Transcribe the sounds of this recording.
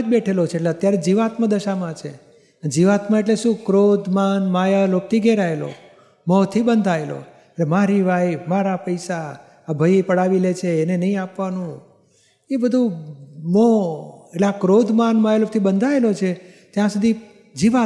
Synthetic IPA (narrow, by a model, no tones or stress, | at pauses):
d͡ʒbeʈʰelot͡ʃʰeːʈleət̪jaɾed͡ʒiʋat̪məd̪əʃamãt͡ʃʰe | d͡ʒiʋat̪məeʈleʃũkɾod̪ʱmanmajalok̚t̪ʰiɡeɾaelo̰ | mɔt̪ʰibənd̪ʱaelo̰ | eʈlemaɾiʋajmaɾapəjsaː | bʱəjepəɽaʋilet͡ʃʰeːnenəɦĩapʋanũ | ebəd̪ʱũmɔeleakɾod̪ʱmanmajalop̚t̪ʰibənd̪ʱaelot͡ʃʰet̪jãsud̪ʱi | d͡ʒiʋa